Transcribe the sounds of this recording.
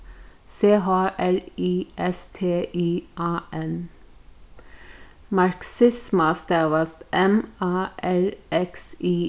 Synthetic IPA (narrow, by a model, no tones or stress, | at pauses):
seːɦɑːʔæɹiːʔɛst̪ʰeːʔiːʔɑːʔɛn | mɑɹksɪsməst̪eːʋəst̪ʔɛmɑːʔæɹʔɛksiː